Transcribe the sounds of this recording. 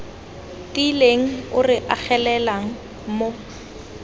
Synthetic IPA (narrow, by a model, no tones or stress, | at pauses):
tileŋ̩ʊrɪʔak͡xʰɛlɛlaŋ̩ | mo